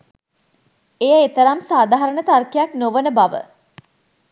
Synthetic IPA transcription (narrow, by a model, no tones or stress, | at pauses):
ejəet̪əɾamsaːd̪ʱaɦaɾəɳət̪arkijaknoʋənəbaʋə̰